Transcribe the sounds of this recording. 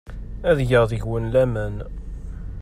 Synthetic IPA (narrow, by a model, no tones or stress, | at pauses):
æðjəʁðəʝwənlæmæn